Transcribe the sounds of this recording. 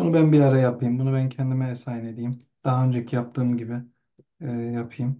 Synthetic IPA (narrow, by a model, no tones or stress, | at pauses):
bunubænbiaɾajapʰɯjɯmbunubæncʰɛnd̪imɛesaːjine̞d̪ijim | d̪̥aɦaø̞nd͡ʒecʰijap̚t̪ʰɯːmɟibɪː | japʰɯjɯm